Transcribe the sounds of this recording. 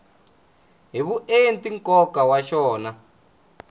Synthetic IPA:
ɦiβuʔentiŋkɔkawaʃɔːna

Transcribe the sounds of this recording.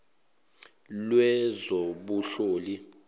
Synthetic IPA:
lwɛzoɓuɬoːli

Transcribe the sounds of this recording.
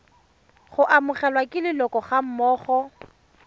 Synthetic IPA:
χʊʔamʊχɛlwakʼɪlɪlɔkʼɔχam̩mɔːχɔ

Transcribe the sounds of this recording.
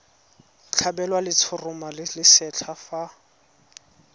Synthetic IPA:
t͡ɬʰabɛlwalɪt͡sʰʊrʊmalɪlɪsɛt͡ɬʰafa

